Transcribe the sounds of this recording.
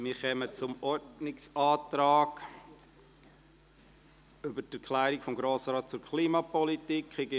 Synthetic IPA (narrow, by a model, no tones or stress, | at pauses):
mɪɾχɛmət͡sʊmɔɾdnɪksɑːt̪ɾɑːɡ | ʏbətæɾkʰlæːɾikfɔmɡɾoːsəɾɑːt̪̚t͡sʊɾkʰliːmɑpɔlitikχɪɡɪ